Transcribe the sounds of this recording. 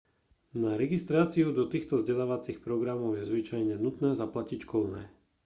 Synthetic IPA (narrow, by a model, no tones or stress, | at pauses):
naɾɛɡist̪ɾaːt͡siud̪ɔt̪iːxt̪ɔzɟɛlaːʋat͡sixpɾɔɡɾamɔʊjɛzʋit͡ʃajɲɛnut̪nɛːzaplacicʃkɔlnɛ̰ː